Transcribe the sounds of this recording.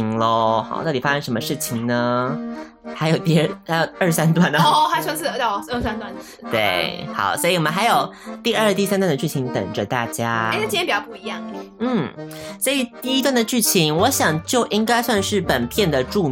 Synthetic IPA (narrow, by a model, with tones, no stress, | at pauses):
ŋlə˧xɑ̰˨˩ʊt̪ɑ˥˩t̪i˨˩fa˥ʂə˥nʂə˧˥mə˧ʂɻ̩˥˩t͡ɕʰi˨˩ŋnə˩ | xa˧ɪjo˨˩ʊt̪i˥˧˥xjo˨˩ʊə˞˥˩sa˥nt̪̬wa˥˩n˧xa˧˥t͡ɕʰwə˧˥s̩˥˩˧ə˥˩a˥nt̪wa˥˩n | t̪we˥˩ɪxɑ̰˨˩˦ʊswɔ˧˥i˨˩wɔ˨˩mə˦nxa˧˥ɪjo˨˩ʊt̪i˥˧ə˞˥˧t̪i˥˩sa˥nt̪wa˥˩nd̪ə˩t͡ɕy˥˩t͡ɕʰi˧˥ŋt̪ə̰˨˩ŋʈ͡ʂə˦t̪a̰˥˩t͡ɕja˥ə˧t͡ɕi˥˩˧ɛ˥pi˨˩t͡ɕjɑ˥˧pu˥˩i˧˥jɑ˥˩ŋn̩˥˩swɔ˧˥i˨˩t̪i˥˩i˥t̪̬wa˥˩nd̪ə˩t͡ɕy˥˩t͡ɕʰi˧˥ŋwɔ˧˥ɕjɑ˨˩ŋt͡ɕjo˥˩ʊʔi˥ŋka˥ɪswa˥˧nʂɻ̩˥˩pə˨˩npʰjɛ˥˩nd̪ə˩ʈ͡ʂu˥˧